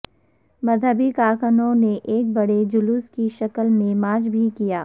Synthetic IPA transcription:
mɐd̪ʱəbikaːkənõneʔeːk̚bɐɽed͡ʒʊluːskiʃɐkəlmẽmaːd͡ʒbʱikijaː

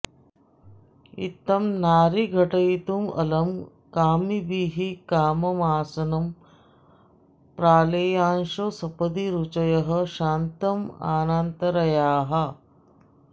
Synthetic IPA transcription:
ḭt̪ːɐmnaːɾiɡʱɐʈɐjit̪umɐ̰lɐm | kaːmibiːɦikaːmɐmaːsɐnɐm | pɾaːleːjaːnʃosɐpɐd̪iɾut͡ʃɐjɐɦɐʃaːnt̪ɐma̰ːnaːnt̪ɐɾɐjaːɦɐ

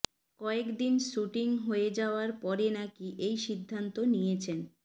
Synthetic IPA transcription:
kɔekd̪inʃuʈiŋɦoed͡ʑaoaɾpɔɾenakiʔejʃid̪ʱːant̪onijet͡ɕʰen

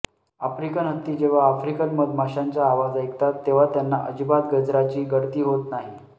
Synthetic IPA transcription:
afɾikənɦət̪ːiːd͡ʑeʋ̤aːfɾikənməd̪mʱaɕaɲt͡ɕaːʋad͡zəjkt̪at̪ːeʋ̤at̪janːaʔəd͡ʑbad̪ɡəd͡zɾat͡ɕiːɡəɽt̪iːɦot̪naɦi

